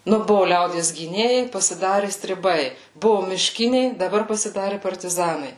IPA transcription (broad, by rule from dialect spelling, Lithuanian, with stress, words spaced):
ˈnʊ ˈbʊʋʊ ˈlʲɛʊdʲiɛs ɡʲiːˈnʲeːjɛɪ pɐsʲɪˈdɑːrʲɪ sʲtʲrʲɪˈbɐɪ bʊʋʊ mʲɪˈʃʲkʲɪnʲɛɪ dɐˈbɐr pɐsʲɪˈdɑːrʲɪ pɐrʲtʲɪˈzɑːnɐɪ